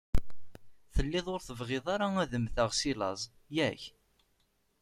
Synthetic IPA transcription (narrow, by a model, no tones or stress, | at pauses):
θəlːɪðˤoɾθəvʁɪðˤaɾaæðəmθəʁsilɑ̰zˤjæç